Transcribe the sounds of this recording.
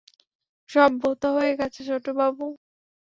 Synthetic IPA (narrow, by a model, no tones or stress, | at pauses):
ʃɔbːot̪aɦoeɡɛt͡ɕʰet͡ɕʰoʈːobabu